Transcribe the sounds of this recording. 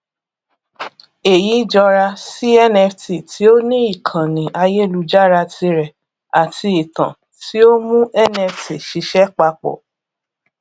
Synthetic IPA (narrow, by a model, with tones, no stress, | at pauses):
e˨ji˨˦d͡ʒɔ˧ɾa˧si˦ɛ˦nɛ˧fti˨tʰi˨˦o˦nĩ˦i˦˨kʰã˨nĩ˨ʔa˧je˦˨lu˧d͡ʒa˦ɾa˧ti˧ɾɛ˨ | a˨tʰi˧i˨tã̰˨ | ti˨˦o˦mũ˦ɛ˦nɛ˧fti˨ʃi˧ʃɛ˦k͡pa˧k͡pɔ̰˨